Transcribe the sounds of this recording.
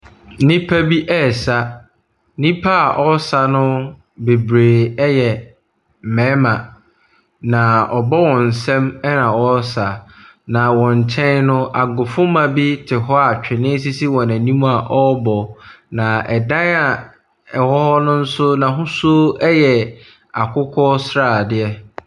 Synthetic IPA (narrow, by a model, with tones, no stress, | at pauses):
nĩ˦pʰæ˦bi˦ʔɛ˦˨sa˦ | nĩ˦pʰa˦a˨ʔɔ˦sa˨nʊ̃˦ | be˨bɾeː˨ɛ˦jɛ˨ | m̩˨mɛ̃˨˦mã˨ | nã˨ɔ˨bɔ˦wɔ̃˨n̩˨sɛ̃˦mɛ˦nã˨wɔ˦sa˨nã˨wɔ̃˨n˨t͡ɕʰɛ̃˦nnʊ̃˦a˨ɡʊ˨fʊ̃˦mã˨bi˦tʰɪ˨ɦɔ˦a˨t͡ɕᶣɪ˨nɪ̃˦s̬i˦si˦wɔ̃˨næ̃˨nĩ˦mũ˦a˨ʔɔ˦bɔ˨nã˨ʔɛ˨dã˦na˨ | ɛ˨hɔ˦hɔ˦nʊ̃˦n̩˦sʊ˦nã˨ɦʊ̃˦so˦ɛ˦jɛ˨ | a˨kʰʊ˦kʰɔ˦sɾa˨dɪ˦ɛ˦